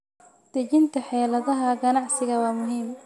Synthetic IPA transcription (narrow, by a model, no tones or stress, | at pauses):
d̪̥ɛt͡ʃɪnt̪ʰɐħɛːlɐðɐɦɐɡɐnɑʕsɪɣɐwɑːmʊɦiːm